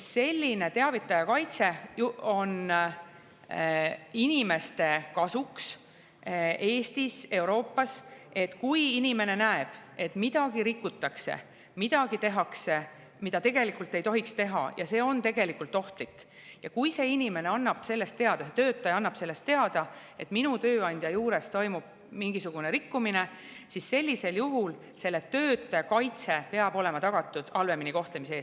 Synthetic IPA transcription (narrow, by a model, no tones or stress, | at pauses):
se̞lʲːine̞t̪e̞ɑvit̪ːˑɑjɑkɑjt̪se̞o̞n | inime̞st̪e̞kɑsuks | e̞ːst̪ise̞uɾo̞ːpːɑse̞t̪ːkujinime̞ne̞næeb̥e̞t̪ːˑmid̪̥ɑɡ̥iɾikːˑut̪ːˑɑksḛ | mid̪̥ɑɡ̥it̪e̞ɦɑkse̞ | mid̪̥ɑt̪e̞ɡ̥e̞likːˑult̪ːˑe̞jt̪o̞ɦikst̪e̞ɦɑ̰jɑ̰se̞ːo̞nt̪e̞ɡe̞likːˑult̪ːˑo̞ht̪likː | jɑkujse̞ːinʲime̞ne̞ɑnːɑb̥se̞lːe̞st̪ːe̞ɑd̪̥ɑset̪ø̞ːt̪ːˑɑjɑnːɑb̥se̞lːe̞st̪ːe̞ɑd̪̥ɑ | e̞t̪minut̪ø̞ːɑnʲd̪̥ʲjɑjuːɾe̞st̪o̞jmub̥̚ | miŋɡ̥isuɡ̥une̞ɾikːumine̞ | sisse̞lʲːise̞ljuɦul | se̞lːet̪ø̞ːt̪ːˑɑjɑkɑjt̪se̞pe̞ɑbo̞le̞mɑt̪ɑɡ̥ɑt̪ːˑud̪̥ɑlve̞miniko̞ht̪le̞mis̬eeːs